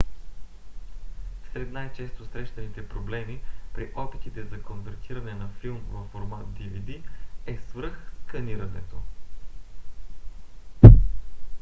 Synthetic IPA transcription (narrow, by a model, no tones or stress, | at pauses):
sɾɛt̪najt͡ʃɛst̪osɾɛʃt̪ɐnit̪ɛpɾoblɛmipɾiʔɔpit̪it̪ɛzɐkonvɛɾt̪ʰiɾɐnɛnɐfilˠmvɐfːoɾmat̪̚d̪ivid̪iɛsvɤɾxskɐniɾɐnɛ̰t̪o